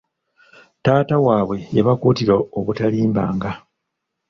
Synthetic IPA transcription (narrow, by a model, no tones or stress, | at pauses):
taːtawaːβwe̞jeβakuːtiɾooβutaliːmba̰ːŋɡa